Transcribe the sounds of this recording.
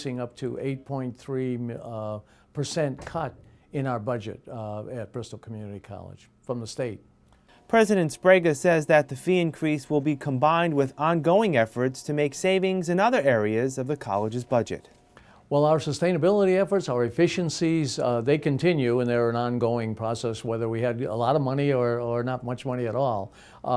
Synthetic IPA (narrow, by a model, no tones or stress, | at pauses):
sɪ̃ŋʌp̚tʰɨʔḛɪt̚pʰɔ̃ɪ̃nθɹi | pʰə˞sɛ̃nkʰʌɾɨ̃naʊə˞bʌd͡ʒɨ̰ɾɨt̚b̥ɹɪstˡl̩ˠkʰm̩jʉnɨɾikʰɑ̰lˠə̰d̥ʒ̥ | fɹʌ̃mðəsteɪt̚ | pʰɹ̥ɛzɨɾɨ̃ntspɹeɪɡɨsɛzðɨt̪̚ðɨfiɨ̃nkʰɹ̥iswəlˠbikʰə̃mbãɪ̃nd̚wɪðɑ̃nɡoʊɪ̃ŋɛfə˞tstʰɨmeɪkseɪvɪ̃ŋzɨ̃nʌðə˞ɛɹiɨzʌvðɨkʰɑ̰lˠəd͡ʒɨzbʌd͡ʒɨ̰t̚ | wɛlˠaʊə˞səstẽɪ̃nɨbɪlˠəɾiɛfə˞tsaʊə˞ɨfɪʃɨ̃nsizðeɪkɨ̃ntʰɪ̃njʉə̃nðə˞ɨ̃nɑ̃nɡoʊɪ̃ŋpʰɹ̥ɔsɛswɛðə˞wiɨdə̰lɔɾʌvmʌniə˞ə˞nət̚mʌt͡ʃmʌñiɨɾɔlˠ